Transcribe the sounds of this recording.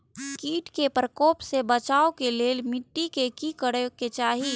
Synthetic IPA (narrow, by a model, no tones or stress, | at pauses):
kiːʈkepɾəkoːpsebət͡ʃaːokeleːlmɪʈːikekikəɽeket͡ʃaːɦi